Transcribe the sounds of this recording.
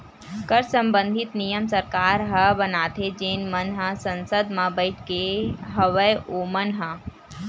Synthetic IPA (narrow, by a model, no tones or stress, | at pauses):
kəɾsɐ̃mbə̃nd̪ʱɪt̪nijəmsəɾkaːɾɦɐbənaːt̪ʰed͡ʒeːnmənɦə̃sɐ̃nsəd̪mãbəɪʈkeɦɐʋəjoːmənɦə̃